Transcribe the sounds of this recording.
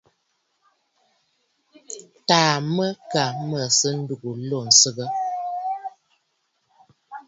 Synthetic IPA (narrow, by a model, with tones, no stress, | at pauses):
taː˨mə˦ka˨mə˨sə˦n̩˦du˨ɡu˨lo˦˨n̩˨sə˦ɡə˦